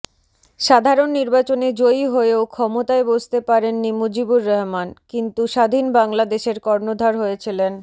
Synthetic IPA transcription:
ʃad̪ʱaɾonːiɾbat͡ɕoned͡ʑojɦoeokʰɔmot̪aebod͡ʑʱt̪epaɾenːimod͡ʑibuɾːɔɦmankint̪uʃad̪ʱinbaŋlad̪eʃeɾkɔɾnod̪ʱaɾɦoet͡ɕʰilen

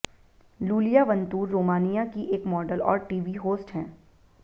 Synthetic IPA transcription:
luːlijaʋɐ̃nt̪uːɾːoːmaːnijakiʔeːkmɔːɖəlɔ̰ːɾʈiːʋiɦoːsʈɦɛ̃ː

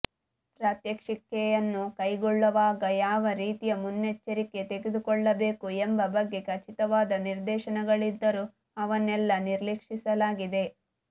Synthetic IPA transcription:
pɾaːt̪jɐkʂikːɛjɐnːukɐjɡɔɭːɐʋaːɡɐjaːʋɐɾiːt̪ijɐmunːet͡ʃːɐɾike̞t̪eɡed̪ukɔɭːɐbe̞ːkuembɐbɐɡːe̞kɐt͡ʃit̪ɐʋaːd̪ɐniɾd̪ɛːʃɐnɐɡɐɭid̪ːɐɾu | ɐʋɐnɛlːɐniɾlekʂisɐlaːɡid̪e̞

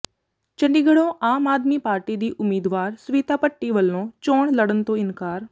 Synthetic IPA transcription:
t͡ʃə̃ɳɖiːɡəɽõːʔaːmaːd̪miːpaːɾʈiːd̪iːʔʊmiːd̪ʋaːɾsʊʋiːt̪aːpəʈːiːʋəlːõːt͡ʃoːɳləɽənt̪õːɪnkaːɾ

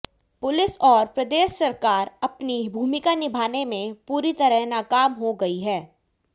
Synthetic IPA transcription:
pʊlɪsɔːɾpɾɐd̪eːʃːɐɾkaːɾɐpnibʱuːmɪkanɪbʱaːnemẽpuːɾit̪ɐɾəɦnaːkaːmɦoɡɐiɦɛː

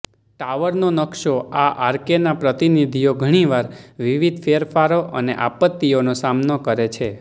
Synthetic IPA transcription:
ʈaʋəɾnonəkʃoaʔaɾkenapɾət̪inid̪ʱijoɡʱəɽ̃iʋaɾʋiʋid̪ʱfʰeɾfaɾoʔəneʔapət̪ːionosamnokəɾet͡ʃʰe

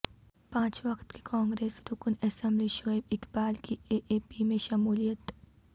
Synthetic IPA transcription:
pãːt͡ʃʋɐkt̪ke̥kʰãːŋɡɾeːsɾʊknɐsə̃mbliʃoːɪbɪkbaːlkieʔeːpimẽʃɐmuːlijət̪

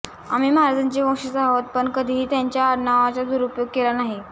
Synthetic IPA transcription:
a̰miːməɦaɾad͡zaɲt͡ɕeʋə̃ŋʂisaɦot̪̚pəɳkəd̪ʱiːɦiːt̪jaɲt͡ɕjaəɾnaʋat͡sad̪uɾupjoɡ̚kelanaɦi

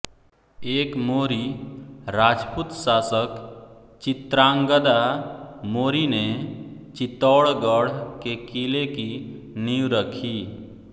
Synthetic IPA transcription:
eːkmoːɾiɾad͡ʒput̪saːsək | t͡ʃit̪ɾaŋɡəd̪amoɾinet͡ʃit̪ɔɽɡəɽ̤kekileki | niwɾəkʰi

